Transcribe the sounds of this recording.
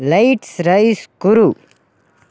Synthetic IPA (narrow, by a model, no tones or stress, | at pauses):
lɐjʈsɾɐiskuɾu